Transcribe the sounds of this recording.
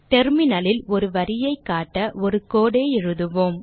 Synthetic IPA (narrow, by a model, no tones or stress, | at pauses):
ʈɛɾmɪnɐlɪlɔɾɯʋɐɾɪjɐɪkːaːʈːɐʔɔɾɯkoːɽeːɛɻɯðɯʋoːm